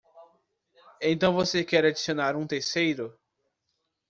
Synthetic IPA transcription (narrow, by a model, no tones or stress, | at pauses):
ẽt̪ɐ̃w̃vosekɛɾad͡ʒisionaɾũt̪eɾsejɾʊ